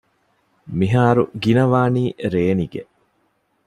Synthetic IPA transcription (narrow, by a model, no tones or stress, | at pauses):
miɦaːɾuɡinɐʋaːniːɾeːniɡe